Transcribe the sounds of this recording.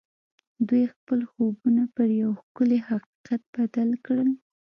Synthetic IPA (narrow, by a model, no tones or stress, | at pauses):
d̪ujxpəlxobunapəɾjawxkʊlehaqi̥qat̪̚b̥ad̪alkɽəl